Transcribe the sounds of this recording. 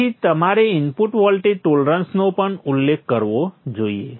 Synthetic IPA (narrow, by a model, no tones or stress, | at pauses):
it̪əmaɾeinpuʈʋɔlʈiʈolɾə̃nsnopəɳulːekʰkəɾʋod͡ʒoijḛ